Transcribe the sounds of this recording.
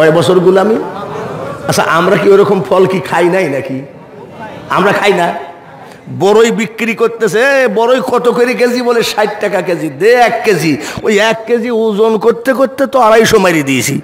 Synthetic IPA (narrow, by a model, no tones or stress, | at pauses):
ɔebɔt͡ɕʰoɾɡulami | asʰa̰ʔamɾakioɾɔkompʰɔlkikʰajnajnaki | a̰mɾakʰajna | bɔɾojbikːɾikoɾt̪ːesebɔɾojkɔt̪okoɾik̬ed͡ʑiboleʃajʈʈakaked͡ʑid̪eɛkːed͡ʑiojɛkːed͡ʑiud͡ʑonkoɾt̪ːekoɾt̪ːet̪oaɾajʃomajɾid̪iet͡ɕʰḭ